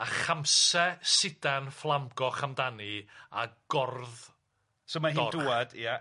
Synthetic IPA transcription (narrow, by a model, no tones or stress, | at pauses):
aχamsɛsɪdanflˠamɡɔχamdania̰ɡ̥ɔrð | somahiɔnrdʊɛdia